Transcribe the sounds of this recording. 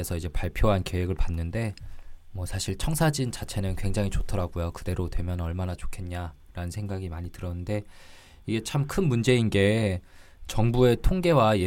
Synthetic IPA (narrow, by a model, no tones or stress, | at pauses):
esʰʌid͡ʑe̞paɭpʰjoɦanke̞weɡɯɭpanːɯnde̞mʌsʰaɕʰiɭt͡ɕʰʌŋsʰad͡ʑint͡ɕat͡ɕʰe̞nɯnkwe̞ŋd͡ʑaŋit͡ɕotʰʌɾaɡojokɯde̞ɾotwe̞mjʌnʌɭmanat͡ɕo̥kʰe̞nɲa | ɾanɯnsʰe̞ŋɡaɡimaɲitɯɾʌnːɯnde̞ | iɡe̞t͡ɕʰamkʰɯnmund͡ʑe̞inɡe̞ | t͡ɕʌŋbue̞tʰoŋɡe̞waje